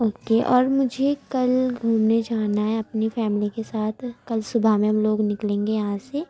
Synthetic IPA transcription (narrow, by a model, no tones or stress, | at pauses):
oːkeʔɔːɾmʊd͡ʒʱekɐlɡʱuːmned͡ʒaːnaɦɛɐpnifɛːmlikesaːt̪ʰkɐlsʊbʱamẽɦɐmloːɡnɪklẽːŋɡejɐɦãse